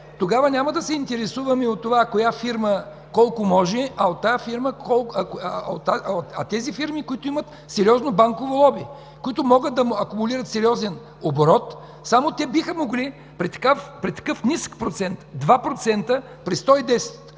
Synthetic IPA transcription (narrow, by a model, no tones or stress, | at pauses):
t̪oɡavɐnʲamɐd̪ɐsɛint̪ɛɾɛsuvɐmɛot̪ːovakojafiɾmə | kɔlˠkomɔʒɛʔɐot̪ːajafiɾməɔlˠɐkot̪ːaɐ̰t̪ɛzifiɾmikʊit̪ʊimɐt̪ | sɛɾiɔznobaŋkovolˠɔbi | kʊit̪ʊmɔɡət̪̚d̪ɐmɐkʊmʊliɾɐt̪sɛɾʲiɔzɛn | oboɾɔt̪ | samot̪ɛbixəmoɡli | pɾɛt̪ɐ̥kafpɾɛt̪ːɐ̥kɤfnʲisə̥kpɾot̪sɛnt̪d̪vapɾot̪sɛnt̪ə | pɾɛst̪ɔid̪ɛsɛ̥t̪